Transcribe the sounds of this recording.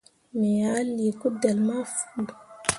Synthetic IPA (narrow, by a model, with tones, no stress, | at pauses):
me˨a˨˦li˨ku˦de˨lma˦fu̥˦˨du˨